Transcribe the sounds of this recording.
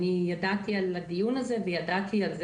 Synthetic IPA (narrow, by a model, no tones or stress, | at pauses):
nijadat̪ialad̪ijunazevejad̪at̪ʰialz